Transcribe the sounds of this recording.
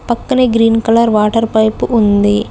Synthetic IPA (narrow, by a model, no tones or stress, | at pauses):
pɐkːɐneɡɾiːnkɐlɐɾʋaːʈɐɾpɐjpuʔund̪i